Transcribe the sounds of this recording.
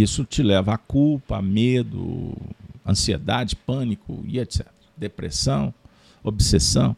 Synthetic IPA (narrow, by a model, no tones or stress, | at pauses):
isʊt͡ʃilɛvɐakulpɐ̰med̪ʊ̰ | ɐ̰̃siḛd̪ad͡ʒɪpɐ̃nikʊ̰ḭet̪sɛt̪eɾɐd̪epɾḛsɐ̃w̃ | obsesɐ̰̃w̃